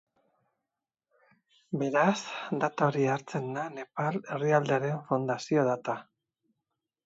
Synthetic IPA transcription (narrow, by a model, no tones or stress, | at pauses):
be̞ɾazd̪at̪aoɾiaɾt͡se̞nd̪ane̞pale̞riald̪eaɾe̞ɱfond̪asio̞ðat̪a